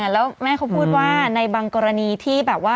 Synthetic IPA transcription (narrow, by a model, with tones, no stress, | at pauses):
lɛː˦˥wmɛː˥˩kʰa˦˥wpʰuː˥˩t̪̚waː˥˩na˧jbaː˧ŋkɔː˧ɾa˧niː˧t̪ʰiː˥˩bɛː˨˩p̚waː˥˩